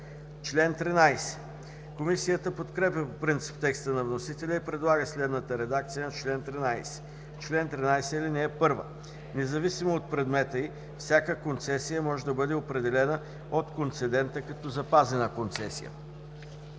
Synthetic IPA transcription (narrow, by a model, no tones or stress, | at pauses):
t͡ʃlɛnt̪ɾinajsɛ̥ | komisijət̪əpot̪kɾɛpʲjəpopɾint̪si̥pt̪ɛkst̪ənɐvnosit̪ɛlʲɛipɾɛd̪lˠaɡəslɛd̪nət̪əɾɛd̪akt̪sijənɐt͡ʃlɛnt̪ɾinajsɛ̥ | t͡ʃlɛnt̪ɾinajsɛlinɛɛpɤɾvə̰ | nɛzɐvisimoːt̪̚pɾɛd̪mɛt̪əi | fsʲjakəkont̪sɛsijəmɔʒɛd̪ɐbɤd̪ɛopɾɛd̪ɛlɛnə | ot̪kont̪sɛd̪ɛnt̪əkɐt̪ɔzɐpazɛnəkont̪sɛsḭjə̰